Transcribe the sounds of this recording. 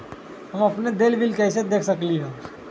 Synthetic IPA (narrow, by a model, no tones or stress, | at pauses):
ɦəmɐpned̪eːlbɪlkɛːsed̪eːkʰsəkliɦɛː